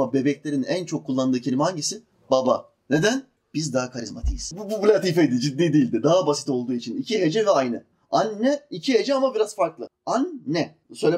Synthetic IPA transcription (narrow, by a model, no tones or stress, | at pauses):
abe̞bɛclʲe̞ɾinænt͡ʃʰo̞kʰːulˠːand̪ɯːcʰilʲimhaɲɟisi | baba̰ | ne̞d̪æn | b̥izd̪aɦakʰaɾizmat̪ʰijiz̥bubublʲat̪ifejd̪id͡ʒid̪ːiːd̪iːlʲd̪ɪd̪aɦabasi̥t̪o̞lˠd̪uːit͡ʃʰinicʰiɦed͡ʒɛvɛajnɯ | anːɛicʰiɦe̞d͡ʒɛamabiɾazfaɾklˠɯ | anːɛ | sø̞jlʲe